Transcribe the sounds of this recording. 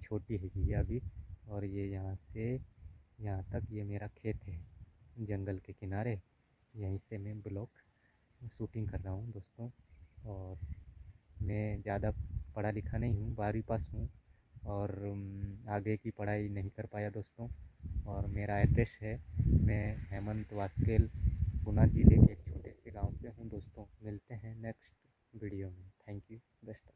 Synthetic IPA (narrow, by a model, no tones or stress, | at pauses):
t͡ʃʰoːʈiɦɛːɡiɐbʱiɔːɾjejɐɦãse | jɐɦãt̪ɐkjemeːɾakʰeːt̪ɦɛd͡ʒɐ̃ŋɡəlkekɪnaːɾe | jɐɦĩsemɛ̃bɪlɔːk | suːʈɪ̃ŋɡkɐɾːaːɦũd̪oːst̪õɔːɾ | mɛ̃zjaːd̪apɐɽ̤alɪkʰanɐɦĩɦũbaːɾipaːsɦũ | ɔːɾ | aːɡekipɐɽ̤aːinɐɦĩkɐɾpaːjad̪oːst̪õɔːɾmeːɾaeʈɾeʃɦɛmɛ̃ɦɛːmə̃nt̪ʋaːskeːlɡʊnad͡ʒiːlekeːk̚t͡ʃʰoːʈeseɡãːʊ̃seɦũd̪oːst̪õmɪlt̪eɦɛ̃nɛksʈ | ʋiːɽijomẽt̪ʰɛ̃ːŋkju | d̪ɐʃʈə